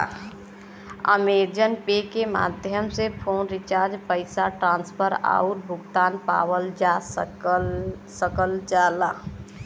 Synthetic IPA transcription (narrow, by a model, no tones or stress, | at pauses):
ə̰med͡ʒənpekema̰ːd̪ʱjəmsepʰoːnɾɪt͡ʃaːɾd͡ʒpəɪsaʈɾãːnspʰəɾa̰uɾbʱʊɡt̪aːnpa̰ːwəld͡ʒas | səkəld͡ʒaːla